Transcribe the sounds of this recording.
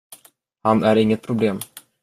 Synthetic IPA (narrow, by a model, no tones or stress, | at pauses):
hanæɾɪŋːət̪̚pʰɾʊbleːm